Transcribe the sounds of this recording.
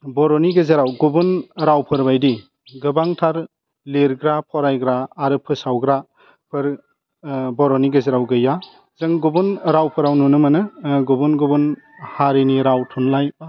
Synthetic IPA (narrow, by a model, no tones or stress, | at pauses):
bɔɾɔniɡɯzeɾawɡubunɾawpʰɯɾbajdi | ɡɯbaŋtʰaɾ | leɾɡɾapʰɔɾajɡɾaːɾɯpʰɯsawɡɾa | pʰɯɾ | bɔɾɔniɡɯzeɾawɡɯja | zɯŋɡubunɾawpʰɯɾawnunɯmanɯɡubunɡubun | haɾiniɾawtʰunlaj